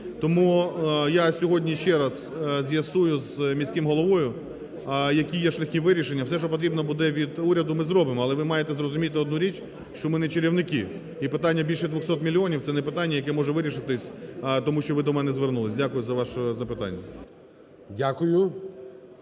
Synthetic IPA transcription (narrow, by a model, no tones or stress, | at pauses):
t̪ɔmujasʲɔɦɔdʲnʲiʃt͡ʃɛɾɐz̥ | zʲjɐsujʊzmʲisʲkɪmɦɔlˠɔʋɔjʊ | jɐkʲijɛʃlʲɐxkʲiʋɪɾʲiʃenʲːɐwsɛʃt͡ʃɔpɔt̪ɾʲibnɔbʊd̪ɛʋʲid̪uɾʲɐd̪ʊmɪzɾɔbɪmɔɐlˠɛʋɪmɑjet̪ɛzrɔzʊmʲit̪ɪɔd̪nuɾʲit͡ʃʲ | ʃt͡ʃɔmɪnɛt͡ʃeɾʲiwnɪkɪ | ipɪt̪ɑnʲːɐbʲilʲʃɛd̪ʋʊxsɔt̪mʲilʲːiɔnʲiwt̪sɛnɛpɪt̪ɑnʲːɐjɐk̬ɛmɔʒɛʋɪɾʲiʃɪt̪ɪsʲt̪ɔmuʃt͡ʃɔʋɪd̪ɔmɛnɛzʋernulˠɪsʲdʲakʊjʊzɐʋɑʃɔzɐpɪt̪ɑ̰nʲːɐ | dʲakʊjʊ